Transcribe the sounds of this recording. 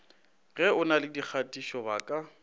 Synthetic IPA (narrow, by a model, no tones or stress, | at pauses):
ɣɛʊnalɪdik͡xʰatʼiʃɔba̰kʼa